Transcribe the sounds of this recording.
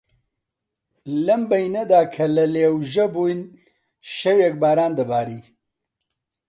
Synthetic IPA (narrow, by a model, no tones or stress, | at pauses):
lɐmbɐjnɐd̪aːkʰɐlɐleːwʒɐbuːjn | ʃɛwɛk̚baːɾaːnd̪ɐbaːɾiː